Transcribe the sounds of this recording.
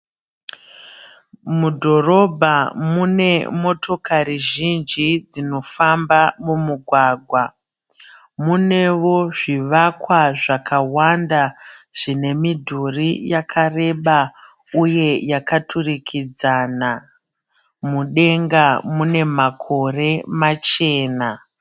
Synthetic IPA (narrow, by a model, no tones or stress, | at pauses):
mudʱo̞ro̞bʱamune̞mo̞tʰo̞kʰariʒind͡ʒid͡zino̞fambamumuɡʱwaːɡʱwa | mune̞ʋo̞ʐiʋakwaʐakawandaʐ̥ine̞midʱurijakʰare̞ɓa | uje̞jakatʰurikʰid͡zana | muɗe̞ŋɡamune̞makʰo̞re̞mat͡ʃe̞ːna